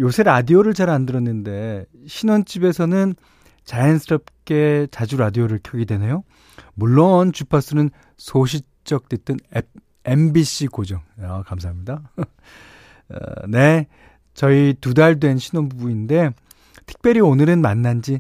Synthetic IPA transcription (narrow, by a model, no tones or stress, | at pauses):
josʰe̞ɾadioɾɯɭt͡ɕaɾandɯɾʌnːɯnde̞ɕʰinwʌnt͡ɕ͈ibe̞sʰʌnɯn | t͡ɕajʌnsʰɯɾʌp̚k͈e̞t͡ɕad͡ʑuɾadioɾɯɭkʰjʌɡidwe̞ne̞jo | muɭːont͡ɕupʰas͈ɯnɯn | sʰoɕ̬ʰi | t͡ɕ͈ʌk̚t͈wet͈ɯn | e̞mbiɕ͈ikod͡ʑʌŋʌkamsʰaɦamɲida | ʌ̰ne̞ | t͡ɕʌitudaɭdwe̞nɕʰinwʌnbubuinde̞ | tʰɯ̥k̚p͈jʌɾionɯɾɯnmanːand͡ʑi